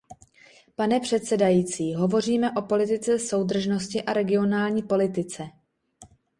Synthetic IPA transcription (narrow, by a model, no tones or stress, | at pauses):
panɛpr̝̥ɛt̪sɛdajiːt͡siːɦo̞vo̞r̝iːmɛʔo̞po̞lɪt̪ɪt͡sɛso̞wd̪r̩ʒno̞scɪʔaɾɛɡɪo̞naːlɲiːpo̞lɪt̪ɪt͡sɛ